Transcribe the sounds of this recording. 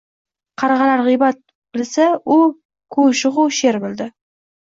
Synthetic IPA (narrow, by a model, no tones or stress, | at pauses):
qʰɑɾɑʁɑlaɾʁɨjbat̪̚ | bɪlsaʊ | kʰɵʃʊʁʊʃe̞ɾbɪld̪ɪ